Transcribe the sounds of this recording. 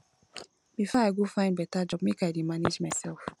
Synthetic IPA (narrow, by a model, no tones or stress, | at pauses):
b̥ifɔaɪɡofãɪ̃nbɛtad͡ʒɔb̚mekajdimaned͡ʒmaɪsɛlf